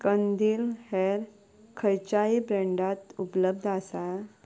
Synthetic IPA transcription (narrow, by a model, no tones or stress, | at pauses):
kənd̪iːlheɾ | kʰəjt͡ɕaibɾẽɳɖat̪upləb̚d̪ʱasa